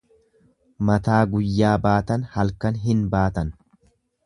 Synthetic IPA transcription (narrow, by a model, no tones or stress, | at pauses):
mɐt̪aːɡʊjːaːbaːt̪ɐnhɐlkɐnɦɪnbaːt̪ɐn